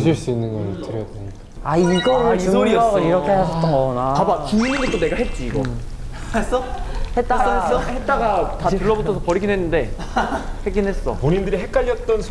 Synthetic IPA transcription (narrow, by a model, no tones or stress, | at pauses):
ɕʰiɭs͈uinːɯnɡʌtɯɾjʌdeɲik͈aaiɡʌɯisoɾiʌʌiɾʌkʰehasʰʌt͈oʌnakabakimiɲiɡet͈one̞ɡaɦet̚t͡ɕ͈iːɡʌ | sʌhet̚t͈ahet̚t͈aɡatatuɭːʌbutʰʌsʰʌpʌɾiɡinɦenːɯnde̞ | heɡinɦe̞s͈ʌpoɲindɯɾiɦek͈̚aʎːʌt̚t͈ʌnsʰ